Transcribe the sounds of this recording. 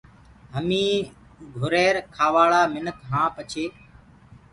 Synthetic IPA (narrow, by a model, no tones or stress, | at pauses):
ɦəmĩː | ɡʱʊɾeːɾkʰaːʋaːɭaːmɪnəkʰɦãːpət͡ʃʰeː